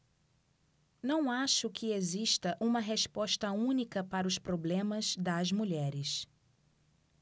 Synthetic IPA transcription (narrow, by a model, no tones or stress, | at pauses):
nɐ̃w̃aʃʊkɪeziʃt̪ɐʔũmɐɦeʃpɔʃt̪ɐũnikɐpaɾɐʊspɾoblẽmɐzd̪ɐzmuʎɛɾɪs